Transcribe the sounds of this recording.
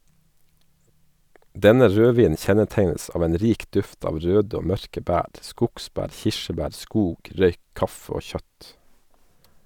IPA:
ˈdɛnə ˈɾøːˌʋiːnn̩ ˈçɛnəˌteɪnəs ˈɑːʋ ˈeːn ˈɾiːk ˈdʉft ˈɑːʋ ˈɾøːd ˈoː ˈmœɾkə ˈbæːɾ ˈskʊkˌsbæːɾ ˈçɪʃəˌbæːɾ ˈskuːɡ ˈɾœʏ ˈkɑfə ˈoː ˈçœt

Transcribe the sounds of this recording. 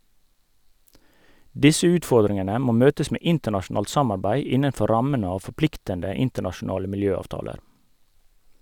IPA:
ˈdɪsə ˈʉːtˌfɔɾdɾɪŋənə ˈmoː ˈmøːtəs ˈmeː ˈɪntəɳɑʃʊˌnɑːlt ˈsɑmɑɾbæɪ ˈɪnənˌfɔ ˈɾɑmən ˈɑː fɔˈplɪktəndə ˈɪntəɳɑʃʊˌnɑːlə mɪlˈjøːˌɑːʋtɑːləɾ

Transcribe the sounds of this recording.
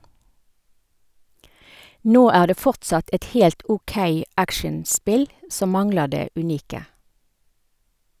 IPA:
ˈnoː ˈæː ˈdeː ˈfɔʁtsɑt ˈɛt ˈhɛlt ɔˈkeɪ ˈækʃɛnˌspɪl ˈsɔm ˈmɑŋləʁ ˈdeː ʉˈniːkə

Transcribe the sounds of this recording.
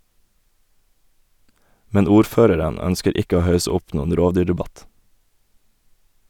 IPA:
ˈmɛn ˈuːɾˌføːɾəɾən ˈœnskəɾ ˈɪkə ˈoː ˈhɑʉsə ˈʊp ˈnuːən ˈɾoːʋˌdyːɖɛˌbɑt

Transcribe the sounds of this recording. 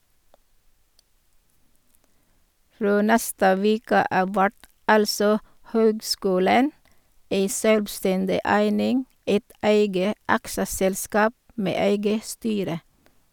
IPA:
ˈfɾoː ˈnɛstə ˈʋeːkə ˈɑːʋ ˈʋæʈ ˈɑlsɔ ˈhøːɡˌskʉːlən ˈeɪ ˈʃøːlʋˌstɛndɪ ˈæɪnɪŋ ˈæɪt ˈæɪɡə ˈɑksəsɛlˌskɑːp ˈmeː ˈæɪɡə ˈstyːɾə

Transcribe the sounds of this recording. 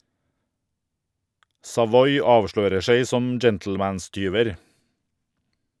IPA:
sɑˈʋɔʏ ˈɑːʋˌʃɭøːɾə ˈseɪ ˈsɔm ˈd͡ʒɛntl̩ˌmæːnˌstyːʋəɾ

